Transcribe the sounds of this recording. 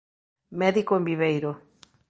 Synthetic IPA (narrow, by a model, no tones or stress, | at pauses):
mɛðikoẽmbiβejɾo